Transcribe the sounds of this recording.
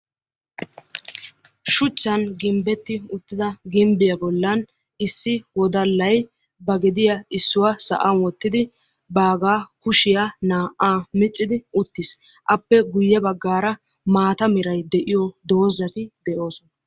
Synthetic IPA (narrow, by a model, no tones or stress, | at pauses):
ʃʊt͡ʃːɐnɡɪmbɛt̪ːɪʊt̪ːɪd̪ɐɡɪmbɪjɐbɔlːɐn | ɪsːɪwɔd̪ɐlːɐj | bɐɡɛd̪ɪjɐɪsːʊwɐsɐ̰ʔɐnwɔt̪ːɪd̪ɪ | baːɡaːkʊʃɪjanaːʔaːmɪt͡sʼːɪd̪ɪʊt̪ːɪs | ʔɐpːɛɡʊjːɛbɐɡːaːɾɐ | maːt̪ɐmɪɾɐjd̪ɛʔɪjɔd̪o̞ːzɐt̪ɪd̪ɛʔo̞ːsɔnɐ